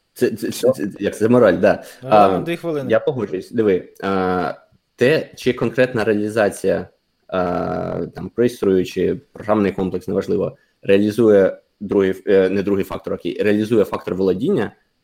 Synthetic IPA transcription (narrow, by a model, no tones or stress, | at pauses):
t̪sɛɛsɛɛjɐkt̪sɛmɔɾalʲd̪ɑd̪ixʋɪɪjapɔɦɔd͡ʒʊjʊsʲɐd̪ɪʋɪ | t̪ɛt͡ʃɪkɔnkɾɛt̪nɐɾeɐlʲizɑt͡sʲijɐ | t̪ɑmpɾist̪ɾujʊt͡ʃɪpɾɔɦɾɑmnɪjkɔmplˠeksnɛʋɐʒlˠɪʋɔ | reɐlʲizujɛ | d̪ɾuɦɪnɛd̪ɾuɦɪjfɑ̰kt̪ɔɾɐkɪ̰jreɐlʲizujɛfɑk̚t̪ɔrʋlˠɐdʲinʲːɐ